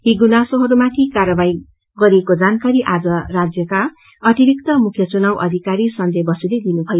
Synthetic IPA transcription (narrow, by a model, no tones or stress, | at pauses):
ɦiɡunasoɦʌɾumat̪ʰikaɾʌbaj | ɡʌɾiekod͡zankaɾiʔad͡zʌrad͡zjʌka | ʌt̪ibikt̪ʌmukʰjʌt͡sunawʔʌ̰d̪ʱikaɾisʌnd̪ʱʌbʌsiled̪inubʰʱʌjo